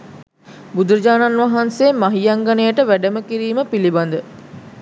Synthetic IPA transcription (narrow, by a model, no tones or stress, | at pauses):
bud̪uɾəd͡ʒaːnanʋaɦansemaɦijaŋɡanejəʈəʋæɖəməkiɾiːməpiliband̪ə